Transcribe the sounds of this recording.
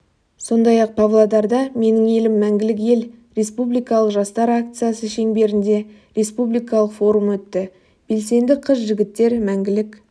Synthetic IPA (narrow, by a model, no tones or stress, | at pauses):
so̞nd̪ɑjɑq̚pʰavlˠad̪ɑɾd̪ɑme̞nɪŋe̞lɪmːæŋɡʲɪlɪk̬je̞lɾe̞spublijkɑlˠəqʒɑst̪ɑɾak̚t̪sɨjasəʃe̞ŋbe̞ɾɪnd̪e̞ | ɾe̞spublijkɑlˠəqfo̞ɾumwɵt̪ːɪ | b̥e̞lse̞nd̪ɪqʰəs̬ʒɪɡʲɪt̪ːe̞ɾmæŋɡʲɪlɪk